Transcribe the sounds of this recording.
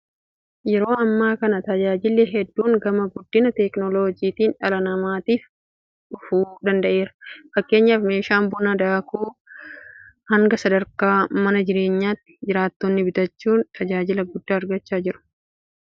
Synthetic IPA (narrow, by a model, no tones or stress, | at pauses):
jɛɾo̞ːɐmːaːkɐnɐt̪ɐd͡ʒaːd͡ʒɪlːɛɦɛd̪ːuːŋɡɐmɐɡʊd̪ːɪnɐt̪ɛknɔloːd͡ʒiːt̪iːnᶑɐlɐnɐmaːt̪iːf | ᶑʊfuːd̪ɐnd̪ɐʔe̞ːɾɐ̥fɐkːe̞ːɲːaːfme̞ːʃaːmbʊnɐd̪aːkuː | hɐŋɡɐsɐd̪ɐɾkaːmɐnɐd͡ʒɪɾe̞ːɲːaːt̪ːɪ̥d͡ʒɪɾaːt̪ːɔnːɪbɪt̪ɐt͡ʃːuːnt̪ʰɐd͡ʒaːd͡ʒɪlɐɡʊd̪ːaːɾɡɐt͡ʃːaːd͡ʒɪɾʊ̥